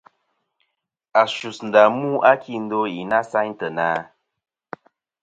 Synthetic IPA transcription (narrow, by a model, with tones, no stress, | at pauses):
a˨ʃu˨sn̩˨da˨mu˦ʔa˦kʰi˦˨n̩˦do˦i˨na˦sa˦ɲ˦tə˨na˨˦